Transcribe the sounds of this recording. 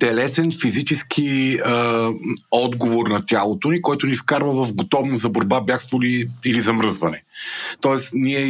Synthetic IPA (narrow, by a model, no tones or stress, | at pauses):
t̪ɛlɛsɛnfizit͡ʃɛsk̟ʰiə | ɔd̪ɡovoɾnɐt̪ʲjalˠot̪onikɔjt̪ʊnifkaɾvəvɐvɡot̪ɔvnozɐboɾbabʲjaxst̪voliilizɐmɾɤzvɐnɛt̪ɔɛsniɛ